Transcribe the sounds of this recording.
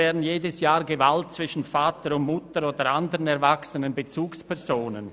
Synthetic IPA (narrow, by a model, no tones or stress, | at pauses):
ɛːɐdn̩jeːdəsjaːɐɡevalt̚t͡sv̥ɪʃn̩faːtəɾʊntmʊtəɾoːdəɾʔandəʁənɛʁvaksənənbet͡suːkspʰɛɐzoːnə̰n